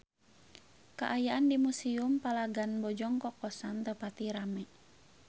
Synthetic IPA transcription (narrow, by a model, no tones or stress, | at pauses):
kaʔajaʔandimusiumpalaɡanbɔd͡ʒɔŋkɔkɔsant̪əpat̪iɾamɛ